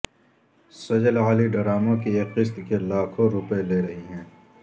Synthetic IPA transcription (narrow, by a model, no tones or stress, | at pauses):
sɐd͡ʒəlaːliɖɐɾaːmõkieːqɪst̪kelaːkʰõɾʊpeleːɾɐɦiɦɛ̃ː